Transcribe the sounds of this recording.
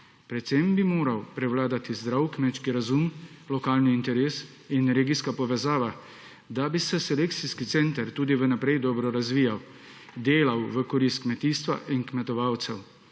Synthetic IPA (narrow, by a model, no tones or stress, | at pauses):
pɾɛt̪sembimoːɾawpɾɛwlaːd̪at̪izd̪ɾawkmet͡ʃkiɾazumlɔkaːlniːnt̪ɛɾeːs | inɾeːɡiskapɔʋɛzaːʋa | d̪abisɛsɛlek̚t̪siskit̪sent̪aɾt̪uːd̪iʋənapɾɛjd̪ɔːbɾɔɾazʋiːjaw | d̪eːlawʋəkɔɾist̪kmɛt̪iːst̪ʋa̰ʔinkmɛt̪ɔʋawt̪sɛw